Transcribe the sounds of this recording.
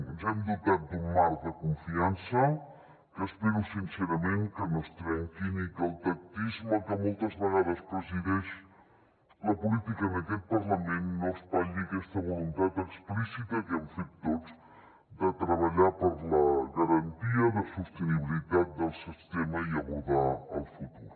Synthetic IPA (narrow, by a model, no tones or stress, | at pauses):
zɛmd̪ut̪at̪̚d̪umːaɾd̪əkuɱfiansə | kəspiɾusinseɾamẽŋkənost̪ɾɛŋkinik̪əlt̪ak̚t̪izməkəmolˠt̪əzβəɣað̞əspɾəziðɛʃ | ləpulit̪ikəːnəkɛt̪̚pəɾləmẽnːospaʎikɛst̪əβulunt̪at̪əksplisit̪əkəɱfet̪̚ːot͡s | d̪ət̪ɾəβ̞aʎapəɾləɣəɾɐnt̪iəðəsust̪əniβilit̪at̪̚d̪əlˠsist̪emaiəβuðaə̰lˠfut̪uɾ